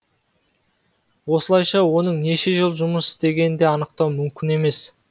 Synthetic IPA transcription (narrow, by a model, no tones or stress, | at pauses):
wo̞səlˠɑjʃɑwo̞nəɴne̞ʃe̞ʒəlˠʒʊməsɪ̥zt̪e̞ɡʲe̞nɪnd̪e̞ɑnəq̚t̪ɑwmʏmkʲɪne̞me̞s